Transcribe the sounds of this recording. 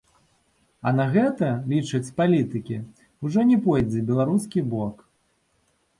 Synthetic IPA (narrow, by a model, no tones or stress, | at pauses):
ɐnaɣɛt̪ɐlʲit͡ʂɐt͡sʲpalʲit̪ɨkʲi | uʐɔnʲɛpɔjd͡zʲɛbʲɛlˠaɾuskʲibɔk